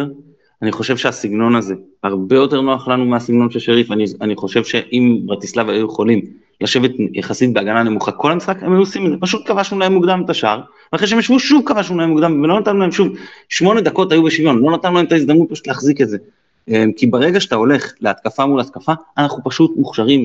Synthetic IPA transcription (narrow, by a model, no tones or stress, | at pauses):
aniχo̞ʃe̞vʃe̞asiɡno̞naze̞haʁbe̞jote̞ʁno̞aχlanumeasiɡno̞nʃeʃeʁifanianiχo̞ʃe̞vʃe̞ʔimbʁat̪islavajujeχolim | laʃe̞ve̞t̪jaχasit̪̚beaɡanane̞muχako̞lamisχakhemajuosimedzepaʃut̪̚kavaʃnulaemuɡd̪amet̪aʃaʁ | veaχʁeʃeemjaʃvuʃuvkavaʃnulaemuɡd̪amvelo̞nat̪anulaemʃumʃmo̞ne̞d̪ako̞tajubeʃivjo̞nlo̞nat̪anulaemt̪aizd̪amnut̪̚paʃu̥tleːχziketze̞ | emkibaʁe̞ɡaʃe̥t̪ao̞le̞χleat̪̚kafamulat̪kafaːnaχupaʃut̪muχʃaʁim